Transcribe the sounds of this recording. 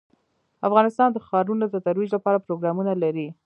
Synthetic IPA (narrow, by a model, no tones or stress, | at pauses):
afɣɑnɪst̪ɑnd̪əxɑɾunod̪ət̪aɾwid͡ʒlapɑɾapɾoɡɾɑmunalaɾi